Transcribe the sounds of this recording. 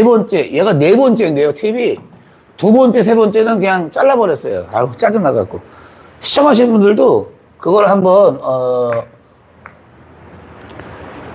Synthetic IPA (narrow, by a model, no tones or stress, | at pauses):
nebʌnt͡ɕ͈e̞jeɡane̞bʌnt͡ɕ͈e̞nde̞jotʰibi | tubʌnt͡ɕ͈e̞s̬ʰe̞bʌnt͡ɕ͈e̞nɯnkɯɲaŋt͡ɕ͈aɭːabʌɾjʌs͈ʌjo̰a̰t͡ɕ͈ad͡ʑɯnaɡa̰t̚k͈o | ɕʰi̥t͡ɕ͈ʰʌŋɦaɕ̬ʰinbundɯɭdo | kɯɡʌɾɯɭhambʌnʌ